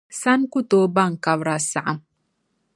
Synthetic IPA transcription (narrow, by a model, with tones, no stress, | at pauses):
sa˦nku˦to˦ba˦ŋka˨βɾa˨sa˨ʔa˨m